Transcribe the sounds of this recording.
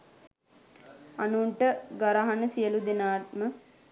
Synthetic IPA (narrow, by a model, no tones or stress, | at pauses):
anuɳʈəɡaɾaɦanəsijəlud̪enaːʈ̚mə